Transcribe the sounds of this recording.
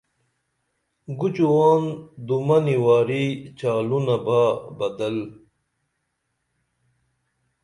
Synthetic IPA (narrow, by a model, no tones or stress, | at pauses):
ɡut͡ɕuwaːnd̪umɐniwaːɾit͡ɕaːlunɐbaːbɐd̪ɐl